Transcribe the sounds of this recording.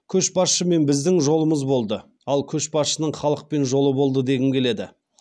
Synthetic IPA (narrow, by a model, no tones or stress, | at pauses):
kʲʰɵʃbɑsʃəme̞nbɪzd̪ɪŋʒo̞lˠəməzbo̞lˠd̪ə | ɑlˠkʲʰɵʃbɑsʃənəɴχɑlˠəq̚pe̞nʒo̞lˠəbo̞lˠd̪əd̪e̞ɡʲɪmkʲʰe̞le̞d̪ɪ